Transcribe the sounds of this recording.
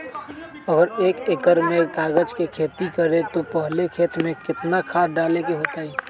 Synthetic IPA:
əɡəɾeːkekəɾmẽɡaːɡəd͡ʒkekʰeːt̪ikəɾet̪opəɦlekʰeːt̪mẽkɪt̪nakʰaːɖaːlekeɦoːt̪aɦiː

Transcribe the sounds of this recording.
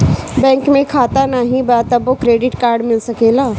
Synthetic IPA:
bɛ̃ːŋkmẽkʰaːt̪anəɦĩbat̪ɐbokɾeːɖɪʈkaːɾɖmɪlsɐkeːlaː

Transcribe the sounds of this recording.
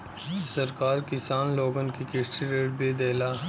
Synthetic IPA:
sɐɾkaːɾkɪsaːnloːɡənkikɪsʈiɾeːʈ̚beːd̪eːlaː

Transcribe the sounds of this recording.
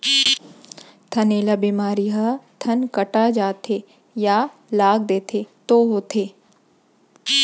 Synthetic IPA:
t̪ʰɐneːlabimaːɾiɦɐt̪ʰɐnkɐʈad͡ʒaːt̪ʰe | ja | laːɡ̚d̪eːt̪ʰet̪oɦoːt̪ʰeː

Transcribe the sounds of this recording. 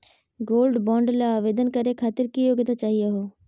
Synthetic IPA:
ɡoːlɖbɔ̃ːɳɖlaːʋeːd̪ənkəɾekʰaːt̪ɪɾkijoːɡt̪at͡ʃaːɦieɦoː

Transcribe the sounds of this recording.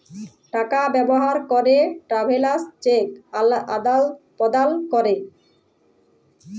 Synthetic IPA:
ʈakabɛboɦaɾkɔɾeʈɾabʱelast͡ɕekaad̪alpɔd̪alkɔɾe

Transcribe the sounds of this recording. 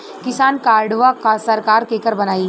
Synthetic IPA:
kɪsaːnkaːɾɖʋakasɐɾkaːɾkeːkəɾbɐnaːi

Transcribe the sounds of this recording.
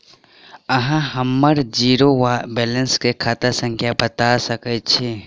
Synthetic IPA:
ɐɦãɦəmːəɾd͡ʒiːɾoʋabɛːlənskekʰaːt̪əsə̃ŋkʰjabɐt̪asɐket͡ʃʰe

